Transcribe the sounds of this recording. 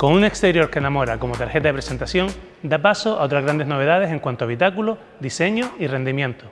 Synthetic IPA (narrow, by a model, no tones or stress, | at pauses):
ko̞ŋũne̞kst̪e̞ɾjo̞ɾkenamo̞ɾako̞mot̪aɾxe̞t̪aðepɾese̞nt̪asjõ̞ŋ | d̪apasoao̞t̪ɾazɣɾand̪e̞zno̞β̞e̞ðað̞ese̞ŋkwant̪oaβ̞it̪akulo | d̪ise̞ɲoire̞nd̪imjẽ̞nt̪o